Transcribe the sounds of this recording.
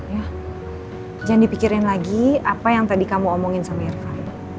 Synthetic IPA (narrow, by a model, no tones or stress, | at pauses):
ja | d͡ʒandipikiɾɪnlaɡiapajaŋt̪adikamuɔmɔŋɪnsamiɪrkal